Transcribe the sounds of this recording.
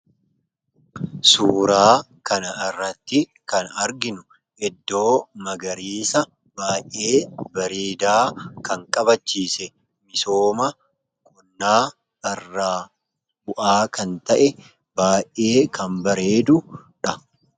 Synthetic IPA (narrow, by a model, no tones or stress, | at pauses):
suːɾaː | kɐnɐɪrːɐt̪ːɪ | kɐnɐɾɡɪnʊ | ɛd̪ːo̞ːmɐɡɐɾiːsɐ | baːjʔʔeːbɐɾiːd̪aːkɐŋkʼɐbɐt͡ʃːiːsɛ | mɪso̞ːmɐ | kʰʊnːaː | ɐrːaː | bʊʔaːkɐnt̪ɐʔɛ | baːjʔʔe̞ːkɐmbɐɾe̞ːd̪ʊᶑɐ